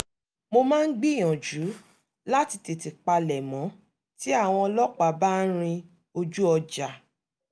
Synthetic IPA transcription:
mo˧mãː˦n̩˦ɡ͡bi˦˨j̃ɔ̃˨d͡ʒu˨˦ | la˦ti˧ti˨ti˨k͡pa˧lɛ˨mɔ̃˨˦ | ti˦a˦˨w̃ɔ̃˧ɔ˧lɔ˦k͡pa˨ba˦n̩˦ɾ̃ĩ˧ | o˧d͡ʒu˦ɔ˧d͡ʒa˨

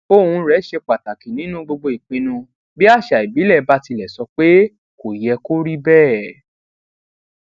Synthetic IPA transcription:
o˦˨hũ˧ɾɛ˨˦ʃe˧k͡pa˨ta˨kĩ˨nĩ˨˦nũ˦ɡ͡bo˧ɡ͡bo˧i˨k͡pĩ˧nũ˧ | bi˦a˦˨ʃa˨i˨bi˨˦lɛ˦˨˦ba˦ti˧lɛ˨sɔ˧k͡pe˦ | ko˨jɛ˧ko˦ɾi˦bɛː˦˨

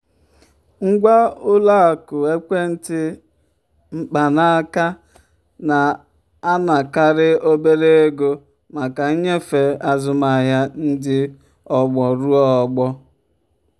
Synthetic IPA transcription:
ŋ̩˦ɡʷa˦ʊ˦la˦a˨kʊ˨e˦kʷe˦n̩˦tɪ˦ | m̩˦k͡pa˨na˦a˦ka˦ | na˨ | a˦na˨ka˨ɾɪ˦o˦be˦ɾe˦e˦ɡo˦ | ma˨ka˨˦ɲe˦fe˨a˦zʊ˦ma˨ɦa˦n̩˦dɪ˦ | ɔ˨ɡ͡bɔ˨ɾu˦ɔ˦ɔ˨ɡ͡bɔ˦

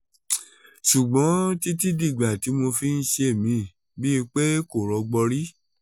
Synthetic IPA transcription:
ʃu˨ɡ͡bɔ̃˨˦ti˦ti˦di˦˨ɡ͡ba˨ti˨˦mo˧fi˦n̩˦ʃe˦˨mĩ˧˨ | bi˦˧k͡pe˦ko˨ɾɔ˧ɡ͡bɔ˧ɾi˦

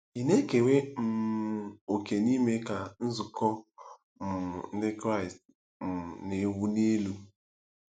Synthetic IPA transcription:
i˨ne˦ke˨we˦m̩˨ | o˨ke˨ni˦me˦ka˨n̩˦zʊ˨kɔ˦ | m̩˨n̩˦dɪ˦kɾa˦ɪ˨st | m̩˨ne˨wu˦ne˦lu˦

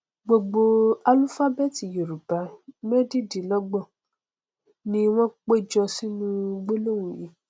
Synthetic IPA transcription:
ɡ͡bo˧ɡ͡bo˧a˧lu˦fa˦bɛ˦˨ti˨je˨ɾu˨ba˨˦mɛ˦di˦˨di˨lɔ˦ɡ͡bɔ˦˨ | nĩ˦w̃ɔ̃˦k͡pe˦d͡ʒɔ̃˧si˦nũ˦ɡ͡bo˦lo˦˨wũ˨ji˨˦

